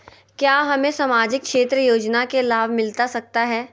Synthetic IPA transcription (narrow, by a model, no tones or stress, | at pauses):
kjaːɦɐmẽsamaːd͡ʒɪk̚kːʃeːt̪ɾəjoːd͡ʒnakelaːbʱmɪlt̪asɐk̚t̪aɦɛː